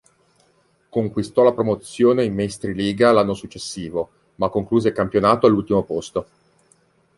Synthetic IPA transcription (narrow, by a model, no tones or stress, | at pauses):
koŋkwist̪ɔlapɾomot̪sːjoːneimːest̪ɾiliːɡalanːosut͡ʃːesːiːvo | makːoŋkluːzeikampjonaːt̪oalːult̪imopost̪o